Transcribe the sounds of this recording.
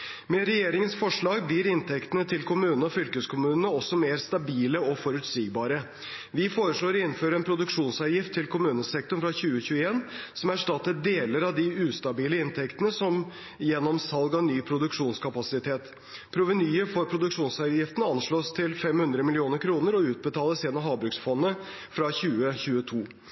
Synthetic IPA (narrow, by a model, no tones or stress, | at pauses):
mɛɾɛjeːɾɪŋənsfɔʂɭɑːɡ̚bliːɾɪnt̪ʰɛkt̪ənət̪ʰɪlkʰʊmʉːnnəɔfʏlkəskʰʊmʉːnənəɔsːɔmeːɾst̪ɑbiːləɔfɔɾʉt̪siːɡbɑːɾə | ʋɪfoːɾəʂɭoːɾɪnːføːɾəɛnpʰɾʊd̪ʉkʂuːnsɑjɪft̪ʰːɪlkʊmʉːnəsɛk̚t̪ʊɳfɾɑçʉːəçʉːəeːnsɔmæʂʈɑt̪ːəɖ̪eːləɾɑʋd̪ɪʉːst̪ɑbiːləɪnt̪ʰɛkt̪ənəsɔm | jɛnːɔmsɑlɡɑnyːpʰɾʊd̪ʉkʂuːnskʰɑpɑsɪt̪ʰeːt̪ | pʰɾʊʋənyːəɾfɔɾpʰɾʊd̪ʉkʂuːnsɑjɪft̪ənəɑnʂɭoːst̪ʰɪlfɛmhʉnd̪ɾəmɪlɪuːnəɾkʰɾuːnəɾɔʉːt̪̚bət̪ʰɑːləseːd̪nɑɦɑːbɾʉksfɔnːə | fɾɑçʉːəçʉːət̪ʰuː